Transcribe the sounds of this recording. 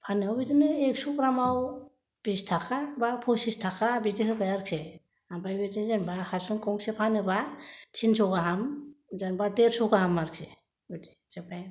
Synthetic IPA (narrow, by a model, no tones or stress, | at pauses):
pʰanɯawbitinɯek̚sukɾamaw | b̥istʰakʰabapʰɔsistʰakabidiɦɯbajaɾkʰe | ambajbidinzanbahaɾsɯnkɔŋksepʰanɯbat͡ʃʰinsɔɡaɦamzanbadeɾsɔɡaɦamːaɾkʰe | bidid͡ʒebaj